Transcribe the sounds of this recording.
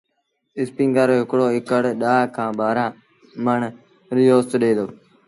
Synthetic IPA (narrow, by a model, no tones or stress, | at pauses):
ɪspĩːŋɡaːɾoːɦɪkɽoːɦɪkəɽɗaːkʰãːbaːɾãː | məɳ | ɾɪjoːst̪ɗeːd̪oː